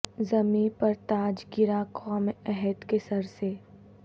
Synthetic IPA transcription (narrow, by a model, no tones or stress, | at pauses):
zɐmiːpɐɾt̪aːd͡ʒɡɪɾakʰɔːmɛɦɛt̪kesɐɾse